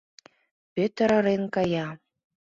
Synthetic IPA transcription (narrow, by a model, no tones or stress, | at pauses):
pøt̪əɾɤ̆ɾenkɑjɑ